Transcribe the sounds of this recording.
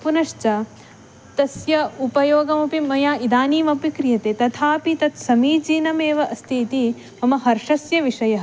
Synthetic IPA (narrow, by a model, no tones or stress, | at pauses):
punɐʃt͡ʃɐ | t̪ɐsjɐupɐjoːɡɐmɐpimɐjaːʔid̪aːniːmɐpikɾijɐt̪eːt̪ɐt̪ʰaːpit̪ɐt̪sɐmiːd͡ʒiːnɐmeːʋɐʔɐst̪ʰiːt̪i | ɐmɐɦɐɾʂɐsjɐʋiʂɐjɐɦɐ